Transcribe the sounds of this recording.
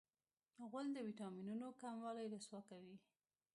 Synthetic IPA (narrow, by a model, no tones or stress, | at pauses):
ɣʊld̪əwiʈɑminunokamwɑlajlaswɑkawi